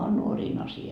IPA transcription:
on nuoriːn ɑsiɑ

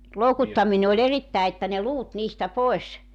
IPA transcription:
loukutːɑmine olʲ eritːæe etːæ ne luːt niːstæ poes

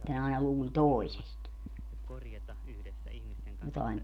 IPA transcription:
ne ɑinɑ luːlʲ toˑisest jotɑim

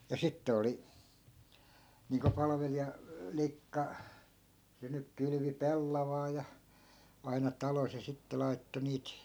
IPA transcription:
jɑ sitːĕ oli niːŋko pɑlɑ̆ʋelijɑ likːɑ se nyk kyly̆ʋi pelːɑʋɑː jɑ ɑinɑ tɑlos jɑ sitːe lɑi̯tːo niːt

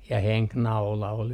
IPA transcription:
jɑ heŋknɑulɑ ol

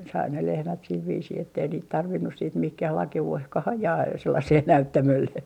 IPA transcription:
sɑi ne lehmæt sil ʋiːsiː etːei niːt tɑrʋinːus siːt mihkæh lɑkeuehkɑh ɑjɑː selːɑseː næytːæmølːe

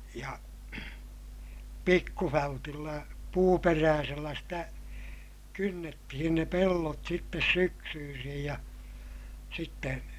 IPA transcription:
jɑ pikːufæltilːæ puːperæːselːæ sitæ kynːetːihin ne pelːot sitːes syksyːsij jɑ sitːe

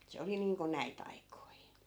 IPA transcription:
se oli niːŋko næit ɑikoi

